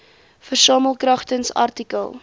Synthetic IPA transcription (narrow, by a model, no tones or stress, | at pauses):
fərsɑːməlˠkrɐχtənsɐ̰rtikəlˠ